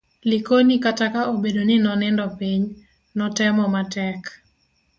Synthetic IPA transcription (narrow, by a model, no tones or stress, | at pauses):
likonikatakaobedonɪnɔnɛndɔpiɲ | nɔtɛmɔmatɛk